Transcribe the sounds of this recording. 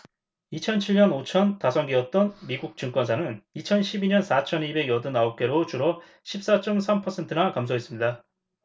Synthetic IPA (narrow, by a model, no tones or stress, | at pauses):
it͡ɕʰʌnt͡ɕʰiɭɲʌnot͡ɕʰʌntasʰʌŋɡiʌt̚t͈ʌnmiɡuk̚t͡ɕ͈ɯŋk͈wʌnsʰanɯnit͡ɕʰʌnɕʰibiɲʌnsʰat͡ɕʰʌnibe̞ɡjʌdɯnaop̚k͈e̞ɾot͡ɕuɾʌ | ɕʰip̚s͈at͡ɕ͈ʌmsʰampʰʌsʰe̞ntʰɯnakamsʰoɦe̞s͈ɯmɲida